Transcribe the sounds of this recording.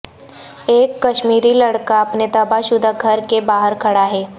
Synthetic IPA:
eːkːɐʃmiːɾilɐɽkaɐpnet̪ɐbaʃʊd̪ʱaɡʱɐɾkebaːɦəɾkʰɐɽaɦɛː

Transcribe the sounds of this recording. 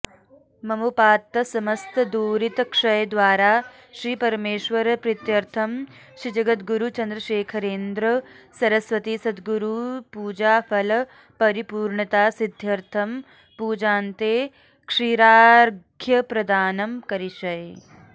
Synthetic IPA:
mɐmupaːt̪ːɐsɐmɐst̪ʰɐd̪uːɾit̪ɐkʂɐjd̪ʋaːɾaː | ʃɾiːpɐɾmeːʃʋɐɾɐpɾit̪jɐɾt̪ʰɐm | ʃɾid͡ʒɐɡɐt̪ɡuɾut͡ʃɐnd̪ɾɐʃeːkʰɐɾeːnd̪ɾɐsɐɾɐsʋɐt̪isɐd̪ɡuɾupuːd͡ʒaːfʰɐlɐ | pɐɾipuːɾɳɐt̪aːsid̪ʱjɐɾt̪ʰɐm | puːd͡ʒaːnt̪eː | kʂiːɾaːɾɡʱjɐpɾɐd̪aːnɐmkɐɾiʃɐj

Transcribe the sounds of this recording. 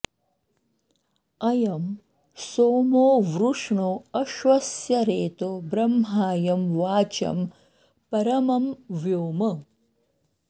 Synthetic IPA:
ɐjɐm | soːmoːʋɾuʂɳoɐʃʋɐsjɐɾeːt̪obɾɐmɦaːjɐmʋaːt͡ʃɐ̰m | pɐɾɐmɐmʋjoːmɐ

